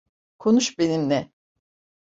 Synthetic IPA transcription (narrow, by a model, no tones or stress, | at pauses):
kʰo̞nuʃbe̞nimnɛ